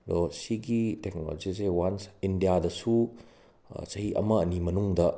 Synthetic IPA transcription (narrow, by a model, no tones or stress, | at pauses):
losiɡitek̚nolo̰d͡ʒizewansindijadɐsu | sɐhiʔɐ̰mɐɐnimɐnuŋdɐ